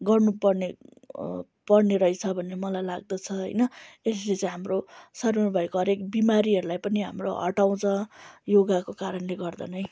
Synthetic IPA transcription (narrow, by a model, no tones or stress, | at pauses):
ɡʌrnupʌrne | pʌrneɾʌit͡sʰʌbʱʌnːemʌlajlaɡ̚d̪ʌt͡sʰʌɦʌ̰jnʌeslet͡sajɦamrosʌrmebʱʌjkoɦʌɾekbimaɾiɦʌɾulajpʌniɦa̰mroɦʌ̰ʈaw̃t͡sʰʌ̃joɡakokaɾʌnleɡʌrd̪a̰nʌj